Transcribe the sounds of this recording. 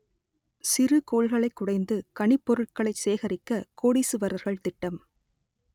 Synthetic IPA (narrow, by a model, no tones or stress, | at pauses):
sɪɾɯkoːɻɣɐɭɐɪkːʊɽɐɪnd̪ɯkɐɳɪpːɔɾɯʈkɐɭɐɪseːɣɐɾɪkːɐkoːɽiːsɯʋɐɾɐɾɣɐɭt̪ɪʈːɐm